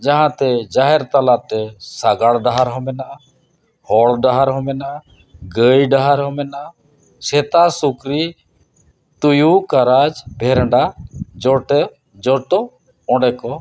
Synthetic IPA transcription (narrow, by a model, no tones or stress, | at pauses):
d͡ʒaɦãt̪ɛd͡ʒaɦɛɾt̪alat̪ɛsaɡaɽɖaɦaɾɦɔmɛnaʔa | hɔɽɖaɦaɾɦɔmɛnaʔa | ɡəjɖaɦaɾɦɔmɛnaʔa | sʰɛt̪asukɾi | t̪ujukaɾad͡ʒbʱɛɾɳɖad͡ʒɔʈɛɾ | d͡ʒɔʈɔ | ɔ̃ɖɛkɔ